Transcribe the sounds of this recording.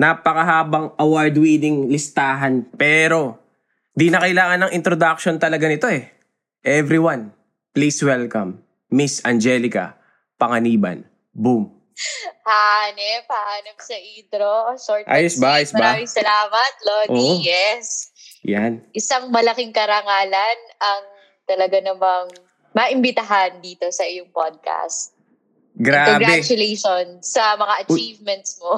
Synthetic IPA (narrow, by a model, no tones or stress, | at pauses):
napɐkɐɦaːbɐŋʔɐwaɹd̪wiːd̪ɪŋlɪst̪aːɦɐnpɛːɾo̞ | d̪inɐkɐjlaːŋɐnɐŋʔɪnt̪ɾod̪ak̚ʃo̞nt̪ɐlɐɡanɪt̪o̞ɛ | ʔɛvɾiwan | pliswɛlkɐmː | isɐnd͡ʒɛlɪkɐ̰ | pɐŋɐniːbɐ̰n | bum | hanɛpaanɐmsɐʔiːd̪ɾosoɹt̪ʔa̰jʊsbajsmɐbɾaːmɪŋsɐlaːmɐt̪̚loːdʔijɛsjanʔɪsaŋmɐlɐkɪŋkɐɾɐŋaːlɐnɐŋ | t̪ɐlɐɡanɐmɐŋ | mɐʔɪmbɪt̪ɐɦand̪iːt̪o̞sɐʔɪjoŋpod̪̚ka̰st̪̚ | ɡɾaːkobɡɾbɛt͡ʃʊlejʃonsɐmɐŋaʔɐt͡ʃiːvmɛnt̪smo